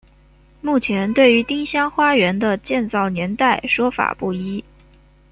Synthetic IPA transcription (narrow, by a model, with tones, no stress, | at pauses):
mu˥˩t͡ɕʰjɛ˧˥nt̪we˥˩ɪy˧˥t̪i˥ŋɕjɑ˥ŋxwa˥ɥɛ˧˥nd̪ə˧t͡ɕjɛ˥˧nt͡sɑ˥˩ʊnjɛ˧˥nt̪a˥˩ɪʂwɔ˥fa̰˨˩pu˥˩i˥